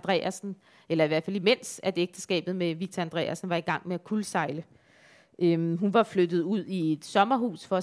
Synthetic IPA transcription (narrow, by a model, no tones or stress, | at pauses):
d̥ʁɛ̰æsn̩ | elɐiʋæɐ̰fælime̝n̰sæd̥eɡ̥̚d̥əsɡ̥ɛ̰ːb̥ð̞̩ˠmeʋi̥t͡sʰæænd̥ʁɛ̰ːæsn̩ʋɑ̈iɡ̥ɑ̈ŋ̰meækʰulsɑ̈ɪlə | ʔøɦunʋɑ̈flød̥ð̩ˠuð̞̰ˠie̝d̥sɒ̽mɐɦṵːsfɒ̽